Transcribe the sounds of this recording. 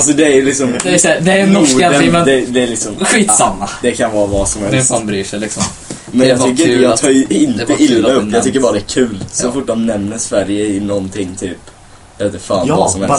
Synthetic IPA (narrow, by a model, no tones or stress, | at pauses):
als̬ɔd̪ɛæjlɪksɔmd̪ɛnɔad̪ɛd̪ɛæɾlɪksɔmɧiːt̪samːad̪ɛkʰanvɑːvɑːsɔmhɛlsst̪bɾiːʂɛlɪksɔm | mɛnjɑɡtt̪ʏkːəɾjɑːɡt̪ʰɑːɾjɪnt̪ːəʔɪlːaɵpjɑːɡt̪ʏkːəɾbɑːɾad̪ɛæːɾkʰʉ̟ːlsɔfʊʈːdɔmnɛmnəsvæɾjəɪnɔnt̪ʰɪŋːt̪ʰyːp | lɛt̪ːɛfaːnɑsɔmhɛls